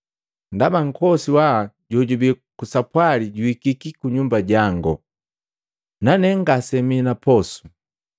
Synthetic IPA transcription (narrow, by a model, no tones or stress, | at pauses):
ndabaŋ̩kɔsiwaɟɔɟubikusapwaliɟuikikikuɲumbaɟaŋɡɔ | nanɛŋɡasɛminapɔsu̥